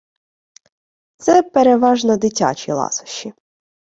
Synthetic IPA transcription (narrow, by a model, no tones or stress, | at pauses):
t̪sɛpeɾeʋɑʒnɔd̪ɪtʲa̰t͡ʃʲilˠɑ̰sʊ̥ʃːi